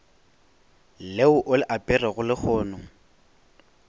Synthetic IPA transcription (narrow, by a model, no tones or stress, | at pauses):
leʊʔʊlɪʔapʼɪrɛɣʊlɪk͡xʰɔːnʊ